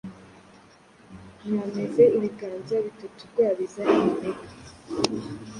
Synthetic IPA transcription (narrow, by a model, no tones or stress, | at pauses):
namezeiβiɡaːnzaβitatukojaβizanneka